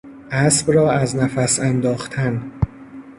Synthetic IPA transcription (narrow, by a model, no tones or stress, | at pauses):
ʔæsbɾɒːæznæfæsænd̪ɒːxt̪ʰæn